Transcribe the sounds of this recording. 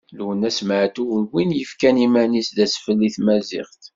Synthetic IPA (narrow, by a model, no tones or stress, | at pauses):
lwənæsmʕt̪uʁlwinjəfkænimænisðæsfəlːiθmæzɪ̰ʁt̪